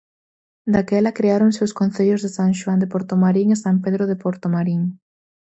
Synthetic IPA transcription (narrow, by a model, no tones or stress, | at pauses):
d̪akɛlɐkɾeaɾoŋsewskon̟θeʎʊzðesaŋʃwand̪epoɾt̪omaɾiŋesampeðɾoðepoɾt̪omaɾiŋ